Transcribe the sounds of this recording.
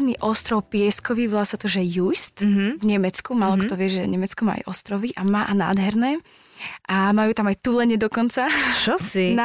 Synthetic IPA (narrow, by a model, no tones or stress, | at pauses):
niʔɔst̪ɾɔwpɪɛskɔʋiʋɔlasat̪ɔʒɛjust̪ʋɲɛmɛt͡skumalˠɔkt̪ɔʋɪɛʒɛɲɛmɛt͡skɔma̰a̰jʔɔst̪ɾɔʋiʔamaːʔana̰ːd̪ɦɛɾnɛː | ʔamajuːt̪amajt̪ulɛɲɛd̪ɔkɔnt͡sat͡ʃɔsina